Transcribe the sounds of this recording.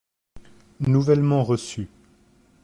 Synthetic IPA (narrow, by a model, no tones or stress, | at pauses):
nuvɛlmɑ̃ʁəsy